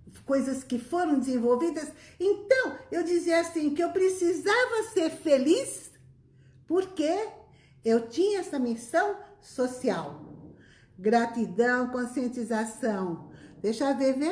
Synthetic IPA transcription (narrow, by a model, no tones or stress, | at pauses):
kojzɐskɪfoɾɐ̃w̃d̪ɪzẽvowvid̪ɐsẽnt̪ɐ̃w̃ewd͡ʒiziɐasĩkɪewpɾesizavɐseɾfelis | poɾke | ewt͡ʃĩɲɐɛsɐmisɐ̃w̃sosiaw | ɡɾat̪id̪ɐ̃w̃kõsiẽnt̪izasɐ̃w̃d̪̥ejʃaveve